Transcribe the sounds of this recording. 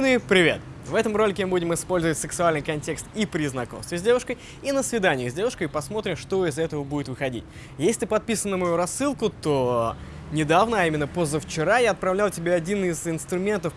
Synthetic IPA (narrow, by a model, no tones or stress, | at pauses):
nɨpɾʲɪvʲe̞̰t̪ | vɛt̪əmro̞lʲɪkʲɪmɨbudʲɪmɪspo̞lʲzəvətʲsɨksʊalʲnɨjkɐnʲtʲe̞kst̪ipɾʲɪznɐko̞mst̪vʲɪzʲdʲe̞vʊʂkəj | inəsvʲɪd̪anʲɪjəɣzʲdʲe̞vʊʂkəjpɐsmo̞t̪ɾʲɪmʂt̪o̞ɪzɛt̪əvəbudɪt̪vɨxɐdʲḭtʲ | jesʲlʲɪt̪ɨ̥pɐt̪̚pʲisənːəmɐjuɾɐsːɨlˠkʊt̪o | nʲɪd̪avnəɐimʲɪnːəpozːəft͡ɕɪɾajaɐt̪̚pɾɐvlʲalˠtʲɪbʲeɐdʲinɪzɪnst̪ɾʊmʲe̞nt̪əf